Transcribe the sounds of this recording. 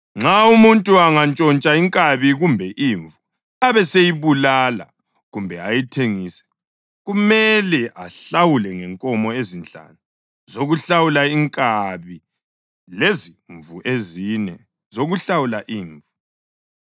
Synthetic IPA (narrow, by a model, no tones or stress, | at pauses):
ŋ͡ǁʱaumuntʼuaŋant͡ʃʼɔnt͡ʃʼaiŋkʼaβiɣumbʱɛʔiːɱvu | aβɛsejiβulala̰ | ɣumbʱɛajitʰeŋiːsɛ̥ | ɣumɛlɛʔaɬawulɛŋɛŋkʼɔmɔezint͡ɬʼa̰nu | zoɣuɬawulaiŋkʼaβi | leziɱvuʔezinɛ | zoɣuɬawulaʔiːɱvu